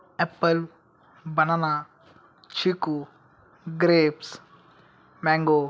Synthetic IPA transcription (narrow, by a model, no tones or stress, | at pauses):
epːɐl | bɐnɐna | t͡ʃʰiku | ɡɾeːps | maːŋɡo